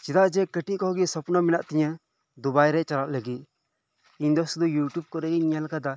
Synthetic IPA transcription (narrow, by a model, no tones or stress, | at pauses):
t͡ʃid̪aʔd͡ʒɛkəʈikɔɦɡisɔpnamɛnaʔt̪iɲa | d̪ubajɾɛʔt͡ʃalaʔləɡit̪̚ | iɲd̪ɔsud̪ujuʈjub̚kɔɾɛɡiiɲalkad̪a